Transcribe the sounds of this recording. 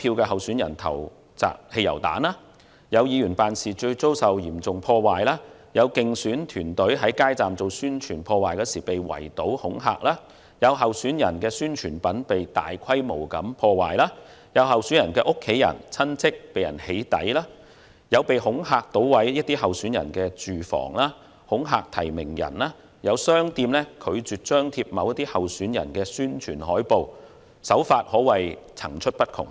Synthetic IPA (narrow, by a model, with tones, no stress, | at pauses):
pʰiː˧wkɛː˧ɦɐ˨wsyː˨˥njɐ˨˩nt̪ʰɐ̰˨˩w | t͡sa̰ː˨˩k̚he˧jɐ̰˨˩wt̪a̰ː˨˥nlaː˥ | jɐ˨˧wjiː˨˧jyː˨˩npaː˨nsiː˨t͡ʃɵ˧ɥt͡so˥wsɐ˨wjiː˨˩mt͡sʊ˨ŋpʰɔː˧waː˨jlaː˥ | jɐ˨˧wkɪ˨ŋsyː˨˥nt̪ʰyː˨˩nt̪ɵ˨˥ɥɦɐ˨˥jkaː˥jt͡saː˨mt͡so˨wsyː˥nt͡ʃʰyː˨˩npʰɔː˧waː˨jkɛː˧siː˨˩pe˨jwɐ̰˨˩jt̪o˨˥whʊ˨˥ŋɦa̰ː˧k̚laː˥ | jɐ˨˧wɦɐ˨wsyː˨˥njɐ˨˩nkɛː˧syː˥nt͡ʃʰyː˨˩npɐ˨˥npe˨jt̪a̰ː˨jkʰɐ˥jmo˨˩wkɐ˨˥mpʰɔː˧waː˨jlaː˥ | jɐ˨˧wɦɐ˨wsy˨˥njɐ˨˩nkɛː˧ʔʊ˥kʰːe˨˥jɐ̰˨˩nt͡sʰɐ˥nt͡sʰɪ˥k̚pe˨jɐ̰˨˩nhe˨˥jt̪ɐ̰˨˥jlaː˥ | jɐ˨˧wpe˨jɦʊ˨˥ŋɦaː˧k̚t̪o˨˥wwɐ˨˥jjɐ˥t̚t̪iː˥ɦɐ˨wsyː˨˥njɐ̰˨˩nkɛː˧t͡ʃyː˨fɔ̰ː˨˩ŋlaː˥ | hʊ˨˥ŋɦaː˧k̚t̪ʰɐ˨˩jmɪ˨˩ŋjɐ̰˨˩nlaː˥ | jɐ˨˧wsœː˥ŋt̪iː˧mlɛː˥kʰɵ˨˧ɥt͡syː˨t̚t͡ʃœː˥ŋt̪ʰiː˧p̚mɐ˨˧wjɐ˥t̪iː˥hɐ˨wsyː˨˥njɐ̰˨˩nkɛː˧syː˥nt͡ʃʰyː˨˩nɦɔː˨˥jpo˨w | sɐ˨˥wfaː˧t̚hɔː˨˥wɐ˨jt͡sʰɐ˨˩ŋt͡ʃʰɵ˥t̚pɐ˥t̚kʰʊ̰˨˩ŋ